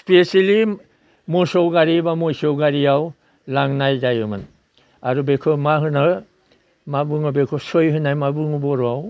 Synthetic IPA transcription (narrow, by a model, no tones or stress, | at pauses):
spesali | mɔsɔwɡaɾibamɔjsɔwɡaɾiaw | laŋnajzajɯmɯn | aɾubekʰɯmaɦɯna | mabuŋɔbekʰɔsɔjɦɯnajmabɯŋɔbɔɾɔaw